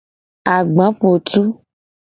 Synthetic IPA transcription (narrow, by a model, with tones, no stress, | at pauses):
a˨ɡ͡bã˨˦po˨t̪u˦